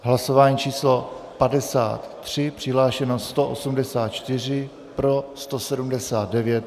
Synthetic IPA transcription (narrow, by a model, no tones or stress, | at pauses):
ɦlaso̞vaːɲiːt͡ʃiːslo̞padɛsa̰ːt̪ːr̝̥ɪpr̝̥ɪɦlaːʃɛnost̪oʔosumdɛsaːt̪̚t͡ʃt̪ɪr̝ɪ | pɾo̞st̪o̞sɛdumdɛsaːt̪̚dɛvjɛt̪̚